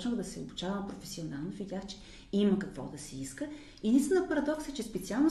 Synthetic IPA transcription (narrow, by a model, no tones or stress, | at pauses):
t͡ʃnoxd̪ɐsɛo̰but͡ʃavəmpɾofɛsionalˠnovʲiɡʲaxt͡ʃɛ̥ | iməkɐkvɔ̰d̪ɐsɛiskə | id̪inst̪inəpɐɾɐd̪ɔksɛt͡ʃɛspɛt̪sialˠno